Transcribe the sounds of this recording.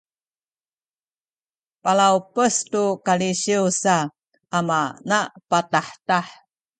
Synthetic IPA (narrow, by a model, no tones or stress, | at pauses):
palaupəstukaliɕiusa | ʔamanapataħtaħ